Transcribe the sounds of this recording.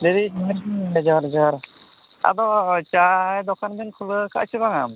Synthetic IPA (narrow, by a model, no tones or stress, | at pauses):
leɾi | ɛd͡ʒɔɾd͡ʒɔɾ | a̰d̪ɔt͡ʃajd̪ɔkanb̪inkʰuləka̰ʔt͡ʃʰibaŋam